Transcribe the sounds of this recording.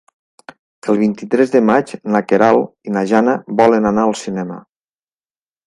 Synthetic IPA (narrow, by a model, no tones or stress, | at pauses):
əlˠβ̞int̪it̪ɾɛzðəmat͡ʃnakeɾalˠinaʒanəbɔlənanaəlˠsinɛmə̰